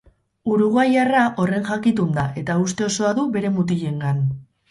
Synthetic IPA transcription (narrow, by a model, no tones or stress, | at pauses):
uɾuɣajaraʔo̞re̞nʝakit̪und̪aʔe̞t̪aust̪e̞o̞so̞aðuβe̞ɾe̞mut̪̬iʎe̞ŋɡan